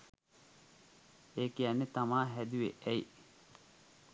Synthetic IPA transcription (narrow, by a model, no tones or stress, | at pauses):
eːkijanːet̪amaːɦæd̪uʋḛʔæi